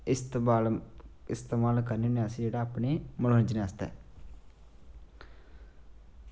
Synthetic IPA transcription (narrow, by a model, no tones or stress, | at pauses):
ɪst̪aːlɪst̪eːmaːlkəɾneːneːəsĩd͡ʒeːɽaːpneːməlɦə̃nd͡ʒnaːst̪a̰ː